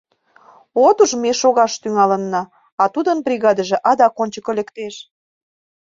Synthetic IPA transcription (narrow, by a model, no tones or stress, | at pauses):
ot̪uʒmeʃoɣɑʃt̪yŋɑlə̆nːɑː | ɑt̪ud̪ənbrʲiɣɑd̪əʒĕʔɑd̪ɑkonʲt͡ɕəkəlekt̪eʃ